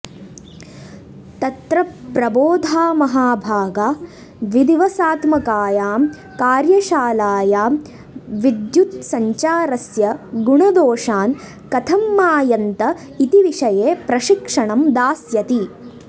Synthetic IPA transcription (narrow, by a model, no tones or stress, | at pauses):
t̪ɐt̪ɾɐpɾɐboːd̪ʱaːmɐɦaːbʱaːɡaː | ʋid̪iʋɐsaːt̪mɐkaːjaːm | kaːɾjɐʃaːlaːjaːm | ʋid̪jut̪sɐɲt͡ʃaːɾɐsjɐɡuɳɐd̪oːʂaːn | kɐt̪ʰɐmːaːjɐnt̪ɐ | it̪iʋiʂɐjeːpɾɐʃikʂɐɳɐmd̪aːsjɐt̪i